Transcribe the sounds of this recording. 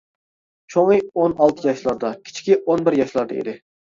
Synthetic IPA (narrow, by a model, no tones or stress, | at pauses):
t͡ʃʰoŋɨonɑlˠt̪ʰɨqjɑʃlˠɑɾd̪ɑkʲʰi̥t͡ʃʰkʲiʔonbɪɾjɑʃlˠɑɾd̪ɑ̰ḛd̪ɪ